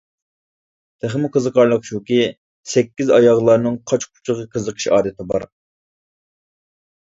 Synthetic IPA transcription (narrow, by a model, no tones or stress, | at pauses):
t̪ʰæχmʊqʰəzəqʰɑɾlˠəqʃukʲi | sɛkʲːizɑjɑʁlˠɑɾnɨŋqʰɑt͡ʃkʰu̥t͡ʃʰəʁəqʰəzəqʰə̥ʃɑ̰ːd̪ɪt̪ʰɪbɑ̰ɾ